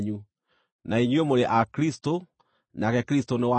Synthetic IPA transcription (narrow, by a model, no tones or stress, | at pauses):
ɲu | naiɲwemoɾeʔakɾisto | nakɛkɾistonewa